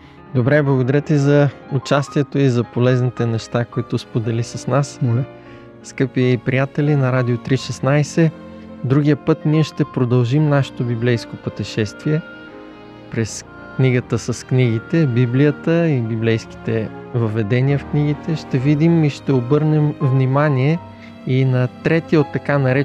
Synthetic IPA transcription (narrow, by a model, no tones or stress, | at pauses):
d̪obɾɛblˠɐɡod̪ɐɾət̪izɐʊt͡ʃast̪iɛt̪oizɐpolɛznit̪ɛnɛʃt̪akoit̪ospod̪ɛlisɐsnas | skɤpiɛipɾijat̪ɛlinɐɾad̪iot̪ɾiʃɛsnajsɛ | d̪ɾuɡ̟ijəpɤt̪niɛʃt̪ɛpɾod̪ɐlˠʒimnaʃɛ̥t̪obiblɛjskopət̪ɛʃɛst̪viɛ | pɾɛs | kniɡət̪əsɐskniɡit̪ɛbiblijət̪əibiblɛjsk̟i̥t̪ɛvəvɛd̪ɛniəfkniɡ̟it̪ɛʃt̪ɛvid̪imiʃt̪ɛobɤɾnɛmvnimaniɛ | inɐt̪ɾɛt̪iot̪ːɐkanɐɾɛ